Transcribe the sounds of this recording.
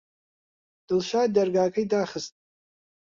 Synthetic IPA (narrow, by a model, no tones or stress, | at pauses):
d̥ɨlʃadarɡaːkʼaidaχəstʼ